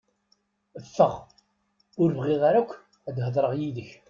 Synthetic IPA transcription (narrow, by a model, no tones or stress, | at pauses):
əfːəʁ | ʊɾvʁɪʁaɾakʷː | æd̪ɦəðˤɾˤəʁjiðəç